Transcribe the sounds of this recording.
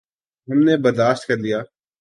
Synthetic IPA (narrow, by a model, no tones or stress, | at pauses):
ɦɐmnebɐɾd̪aːʃt̪̚kɐɾlijaː